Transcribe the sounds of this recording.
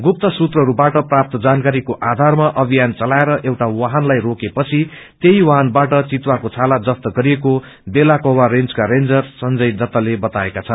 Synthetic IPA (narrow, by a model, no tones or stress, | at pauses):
ɡup̚t̪ʌsut̪rʌɦʌɾubaʈʌprap̚t̪ʌd͡zankaɾikoʔad̪ʱarmaʔʌbʱijant͡sʌlaeɾʌʔewʈawaɦanlajrokepʌt͡sʰi | t̪eɦiwaɦanbaʈʌt͡sit̪wakot͡sʰalad͡zʌpt̪ʌɡʌɾieko | belakoɦwarend͡zkaɾend͡zʌrsʌnd͡zʌjd̪ʌt̪ːʌlebʌt̪aekat͡sʰʌn